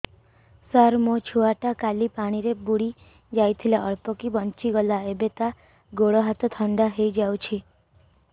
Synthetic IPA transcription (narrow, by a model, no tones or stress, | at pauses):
saɾmot͡ʃʰuaʈakalipaɽ̃iɾebuɽi | d͡ʒajt̪ʰilaʔɔɭpɔkibɔnt͡ʃiɡɔlaebet̪a | ɡoɽɔɦat̪ɔt̪ʰɔɳɖaɦejd͡ʒawt͡ʃʰi